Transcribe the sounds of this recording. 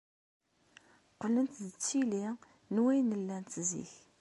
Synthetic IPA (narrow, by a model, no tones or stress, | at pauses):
qələnt̪ðət͡sːili | nwæjnəlːænt̪zḭç